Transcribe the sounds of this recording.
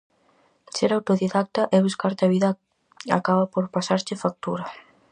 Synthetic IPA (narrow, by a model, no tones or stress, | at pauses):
seɾawt̪oðiðak̚t̪ɐʔɛβuskaɾt̪aβiðɐ | a̰kaβɐpoɾpasaɾt͡ʃɪfak̚t̪uɾɐ